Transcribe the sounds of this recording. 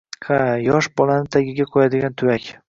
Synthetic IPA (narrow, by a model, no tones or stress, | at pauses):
hajɒʃbɒlanɪt̪ʰaɡʲɪɡʲaqʰojad̪ɪɡʲant̪ʰʊwakʲ